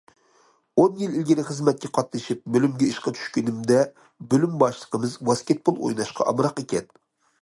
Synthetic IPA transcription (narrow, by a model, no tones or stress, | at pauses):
onjililɡʲiɾɪχɨzmɛt̪̚kʲɛqʰɑt̪nɨʃip̚bølymɡʲɛiʃqɑt̪ʰy̥ʃkʲynɪmd̪ɛ | bølymbɑʃlˠə̥qəmɨzbɑskʲet̪̚pʰolˠo̰jnɑʃqʰɑ̰ʔɑ̰bɾɑqekʲɛn